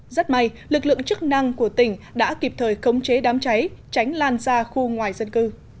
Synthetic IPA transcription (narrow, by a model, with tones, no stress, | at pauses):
za˦˥t̚ma˧j | lɨ˨˩k̚lɨ̰˧˨əŋt͡ɕɨ˦˥k̚na˧ŋku˧˩ət̪ï˧˩ŋ̟ɗa̰ː˧˥ki˨˩p̚t̪ʰəː˨˩jxə˨˦wŋ͡mt͡ɕe˨˦ɗaː˨˦mt͡ɕa˨˦jt͡ɕa˨˦jŋ̟laː˧nzaː˧xu˧ŋwaː˨˩jzə˧nkɨ˧